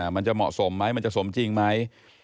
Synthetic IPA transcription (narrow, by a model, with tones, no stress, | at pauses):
ma˧nt͡ɕa˨˩mɔ̰˨˩ʔso˩˦mːa˦˥jma˧nt͡ɕa˨˩so˩˦mt͡ɕi˧ŋma˦˥j